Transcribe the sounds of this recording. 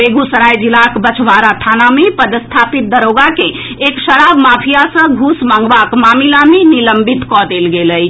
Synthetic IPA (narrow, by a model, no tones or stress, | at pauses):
beɡusəɾajd͡ʒilakbət͡ʃʰʋaɾaʈʰanamepəd̪əst̪ʰapit̪̚d̪əɾoɡakẽː | ksəɾabmapʰijasə̃ɡʱusmaŋɡbakmamilameniləmbit̪kɔd̪elɡeləj